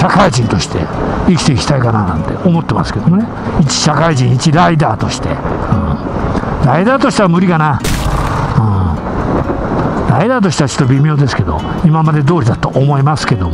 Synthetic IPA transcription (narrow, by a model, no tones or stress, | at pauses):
ɕakaiʑĩnt̪o̞ɕi̥t̪e̞̰ikʲi̥t̪e̞ikʲi̥t̪aikanaːnã̰nt̪e̞̰ʔomo̞t̪ːe̞ma̰sɨ̥ke̞d̪omone̞ | it͡ɕi̥ɕakaiʑĩit͡ɕiɾaid̪aːt̪o̞ɕi̥t̪e̞̰ɯ̰̃ː | ɾaid̪aːt̪o̞ɕi̥t̪eβamɯ̟ɾʲikana | ɯ̃ː | ɾaid̪aːt̪̬o̞ɕi̥t̪eβat͡ɕo̥t̪ːobʲimʲo̞ːd̪e̞sɨ̥ke̞d̪o̞̰ | imamad̪e̞d̪o̞ːɾʲid̪at̪oʔomo̞imasɨ̥ke̞d̪omo